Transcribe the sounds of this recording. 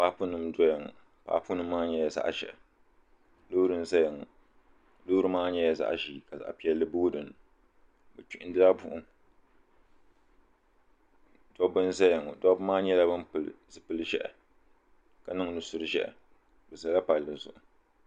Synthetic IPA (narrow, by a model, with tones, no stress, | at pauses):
pa˦pu˦nɨ˦mdɔ˦ja˨ŋ̰˨ | pa̰˨˦pu˦nɨ˦mː˦aː˦ɲɛ˦jɛ˨za̰˦ʔʃɛ̰˨ | loː˦ɾɨ˦n˦za˦ja˨ŋ˨ | lo˦ɾɨ˦maː˦ɲɛ˦jɛ˨za̰˦ʔʒiː˨ka˨za̰˨ʔpi˨ɛ˨lːɨ˦boː˦dɨ˨n | bɨ˨t͡ʃi˨ʔɪ̃˦dɨ˦a˦bu˦ʔʊ˦ | dɔ˦bɨ˦n˦za˦ja˨ŋ˨dɔ˦bmaː˦ɲɛ˦la˦bɨ˦mpɨ˨lzɨ˦pɨ˦lɨ˦ʒɛ̰˦ʔɛ̰˨ | ka˨nɨ˦ŋ˦nɨ˨sʊ˦ɾɨ˦ʒɛ̰˦ʔ | bɨ˨za˨la˦pa˨lːɨ˨zʊ̰˨ʔʊ˨